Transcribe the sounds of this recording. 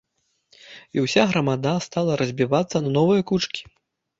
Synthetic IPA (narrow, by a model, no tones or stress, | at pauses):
iwsʲaɣɾɐmad̪ast̪alˠɐɾɐzʲbʲivat̪sːɐnɐnɔvɨjɐkut͡ʂkʲi̥